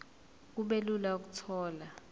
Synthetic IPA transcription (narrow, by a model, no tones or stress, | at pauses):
kuɓelulauk̬utʰɔːla